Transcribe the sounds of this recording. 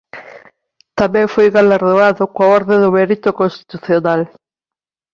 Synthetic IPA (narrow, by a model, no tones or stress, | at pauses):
t̪amẽŋfojɣalaɾðoaðʊkwaɔɾðẽðʊmeɾit̪okõnst̪i̥t̪uθjonal